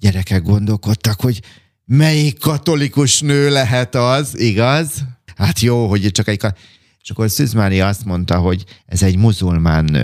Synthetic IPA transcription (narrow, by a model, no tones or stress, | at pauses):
ɟɛɾɛkɛɡ̚ɡo̞nd̪o̞lko̞t̪ːɒkho̞ɟ | mɛjikːɒt̪o̞likuʃnøːlɛɦɛt̪ɒziɡɒzhat̪joːɦo̞ɟt͡ʃɒkɛckɒ | t͡ʃɒkorsyzmaːnlijɒɒst̪mo̞nt̪ɒɦo̞ɟɛ̰zɛɟmuzulmaːnːø̰ː